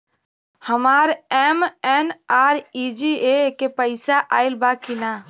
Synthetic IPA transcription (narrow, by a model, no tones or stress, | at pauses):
həmaːɾɛmɛnaːɾid͡ʒiekepəɪsaʔaːɪlbakina